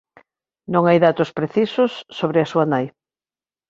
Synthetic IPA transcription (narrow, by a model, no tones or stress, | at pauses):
nõŋajðat̪ʊspɾeθisʊsːoβɾɪasuɐnaj